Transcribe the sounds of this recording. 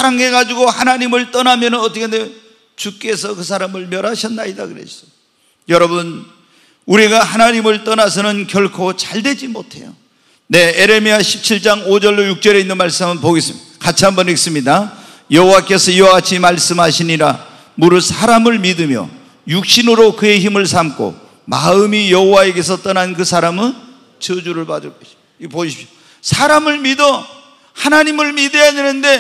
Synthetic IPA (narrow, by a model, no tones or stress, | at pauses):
sʰaɾaŋe̞ɡad͡ʑuɡohanaɲimɯɭt͈ʌnamjʌnɯnʌt͈ʌkʰeneo | t͡ɕuk͈e̞sʰʌkɯsʰaɾamɯɭmjʌɾɦaɕʰʌnːaɲida̰kɯɾḛɕʰi̥ʌ | jʌɾʌbun | uɾiɡahanaɲimɯɭt͈ʌnasʰʌnɯnkjʌɭkʰot͡ɕaɭdwe̞d͡ʑimotʰe̞̰jo̰ | ne̞eɾe̞miaɕʰip̚t͡ɕʰiɭt͡ɕ͈aŋod͡ʑʌɭːojuk̚t͡ɕ͈ʌɾe̞inːɯnmaɭs͈ɯmɯnpoɡis | kat͡ɕʰambʌnis͈ɯmɲida | jʌɦowak͈e̞sʰʌiwaɡat͡ɕʰimaɭs͈ɯmɦaɕʰiɲiɾa | muɾɯsʰaɾamɯɭmidɯmjʌ̰ | juk̚ɕ͈inɯɾokɯe̞çimɯɭsʰamkʰo̰ | maɯmijʌɦowae̞ɡe̞s̬ʰʌt͈ʌnankɯsʰaɾamɯn | t͡ɕɯd͡ʑuɾɯɭpadɯɭk͈ʌɕi | poɕʰi̥pɕo̥ | sʰaɾamɯɭmidʌ | hanaɲimɯɭmidejade̞nɯnde̞